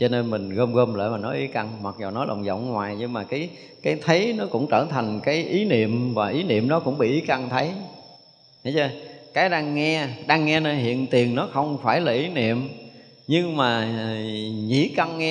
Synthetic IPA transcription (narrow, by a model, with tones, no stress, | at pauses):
t͡ɕɔ˧ne˧nmï˨˩ŋ̟ɣəː˧mɣəː˧mlə̰ː˧˨˩maː˨˩nɔ˨˦ʔi˨˦ka˧ŋmwa˨˩t̚zo˨˩wnɔ˨˦lə̰˨˩wŋ͡mzə̰˧˨wŋ͡mŋwaː˨˩jɲɨ˧ŋmaː˨˩kaː˨˦j | kaː˨˦jt̪ʰə˨˦jnɔ˨˦kʊ̰˧˥ŋ͡mt͡ɕəː˧˩t̪ʰa˨˩jŋ̟kaː˨˦jʔi˨˦nḭ˧˨əmvaː˨˩ʔi˨˦nḭ˧˨əmɗɔ˨˦kʊ̰˧˥ŋ͡mɓḭ˧˨ʔi˨˦ka˧ŋt̪ʰə˨˦j | hə˨˦ə˧˩kaː˨˦jɗaː˧ŋːɛ˧ɗaː˧ŋːɛ˧nəː˧jɦḭ˧˨ənt̪i˨˩əŋnɔ˨˦xə˧wŋ͡mfaː˧˩jlaː˨˩ʔi˨˦nḭ˧˨əm | ɲɨ˧ŋmaː˨˩ | ɲḭ˧˩ka˧ŋːɛ˧